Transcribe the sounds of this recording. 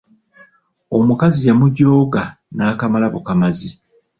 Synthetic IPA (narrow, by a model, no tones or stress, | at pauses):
o̞mukazijamuɟo̞ːɡa | naːkamalaβokamazi